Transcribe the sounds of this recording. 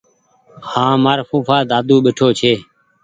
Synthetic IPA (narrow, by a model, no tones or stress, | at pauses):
hãːmaːɾfuːfaːd̪aːd̪uːɓeʈʰoːt͡ʃʰeː